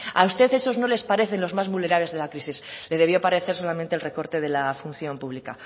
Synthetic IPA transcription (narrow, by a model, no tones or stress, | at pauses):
a̰ust̪e̞θe̞so̞zno̞le̞spaɾe̞θenlo̞zmazmule̞ɾaβle̞zðe̞lakɾisisle̞ðe̞β̞jo̞paɾe̞θe̞ɾso̞lament̪elre̞ko̞ɾt̪e̞ð̞e̞lafun̟θjo̞mpuβlika̰